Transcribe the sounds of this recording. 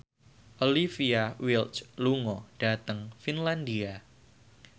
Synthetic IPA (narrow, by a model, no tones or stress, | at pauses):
ʔolifiawiltsluŋɔd̥a̤t̪əŋfinlandia